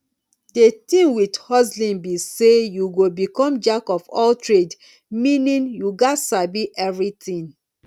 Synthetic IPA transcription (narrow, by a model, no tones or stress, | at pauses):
detĩnwidhɔzlĩnbisejuɡobikɔ̃md͡ʒakɔfɔ̰ltɹed | mĩnĩnjuɡatsabiʔɛvɹitĩn